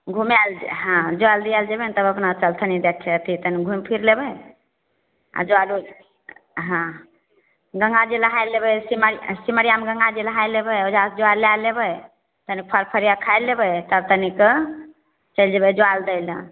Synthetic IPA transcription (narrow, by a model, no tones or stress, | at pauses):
ɡʱumalɦãd͡ʒoald̪iald͡ʒəbent̪əbəpnat͡ʃəlt̪ʰənid̪ekʰet̪ʰit̪əniɡʱumpʰiɾlebəj | a̰d͡ʒoalu | ɦã | ɡəŋɡad͡ʒeləɦajlːebəsiməsiməɾijameɡəŋɡad͡ʒeləɦajlebəjod͡ʒasd͡ʒoalːalːebəj | t̪ənik̚pʰəɾpʰəɾijakʰajlːebəjt̪əbt̪ənik | t͡ʃəld͡ʒebəd͡ʒoald̪əjl